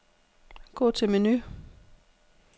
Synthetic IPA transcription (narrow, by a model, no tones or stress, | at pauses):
ɡ̥ɔ̰ːt͡sʰe̝meny